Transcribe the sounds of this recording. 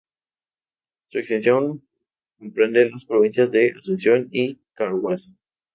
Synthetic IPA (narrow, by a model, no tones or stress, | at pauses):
suekst̪e̞nsjo̞ŋ | ko̞mpɾend̪elaspɾoβ̞insjazðeʔasensjo̞nikaɾwwas